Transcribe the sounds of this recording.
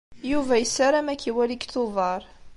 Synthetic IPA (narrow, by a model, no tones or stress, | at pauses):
juvæjəsːaɾˤæmækːiwæliɡθʊðɑɾˤ